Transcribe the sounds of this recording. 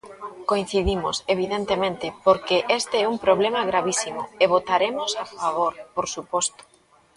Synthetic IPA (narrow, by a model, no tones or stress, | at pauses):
koin̟θiðimoseβ̞iðent̪emẽnt̪ɪpoɾkeʔest̪eɛumpɾoβlemaɣɾaβisimʊeβ̞ot̪aɾemosafaβoɾpoɾsupɔst̪o̥